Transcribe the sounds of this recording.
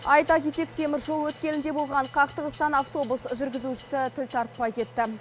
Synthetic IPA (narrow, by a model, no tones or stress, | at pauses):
ɑjt̪ɑkʲet̪e̞kt̪ʰe̞mɪɾʒo̞lˠwɵt̪kʲe̞nɪnd̪e̞bo̞lˠʁɑɴqʰɑqt̪əʁəst̪ɑnaft̪o̞busʒʏɾɡʲɪzuʃɪ̥sɪt̪ʰɪlt̪ʰɑɾt̪̚pɑjkʲʰe̞t̪ːɪ